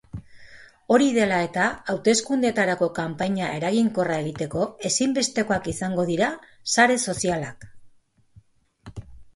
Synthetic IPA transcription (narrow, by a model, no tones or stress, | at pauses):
o̞ɾiðe̞lae̞t̪aːwt̪e̞skund̪et̪aɾako̞kampaɲaʔe̞ɾaɣiŋko̞rae̞ɣ̞it̪e̞ko̞e̞simbe̞st̪e̞ko̞akisaŋɡo̞ðiɾasaɾe̞so̞sialak